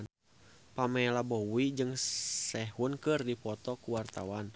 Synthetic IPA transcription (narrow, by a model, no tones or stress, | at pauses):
n | pamɛlabɔwid͡ʒɨŋsɛɦunkɨrdipɔt̪ɔkuwart̪a̰wan